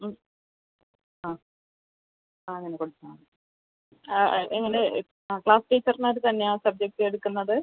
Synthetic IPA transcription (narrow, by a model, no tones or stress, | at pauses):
aː | aːɐŋːɐnekoɽut͡ɕːaː | eŋːɐne | akɭaːsʈeːt͡ɕːɐrnaːɾut̪ɐnːeaːsɐb̚d͡ʑek̚ʈɨe̞ɽukːunːɐðɨ